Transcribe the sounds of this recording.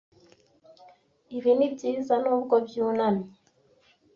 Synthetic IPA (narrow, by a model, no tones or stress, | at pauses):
iβinibɟiːzanubɡɔbjuːnami